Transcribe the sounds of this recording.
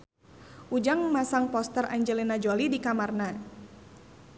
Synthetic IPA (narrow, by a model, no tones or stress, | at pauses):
ʔud͡ʒaŋmasaŋpɔst̪əra̰ɲd͡ʒɛlinad͡ʒolidikamarna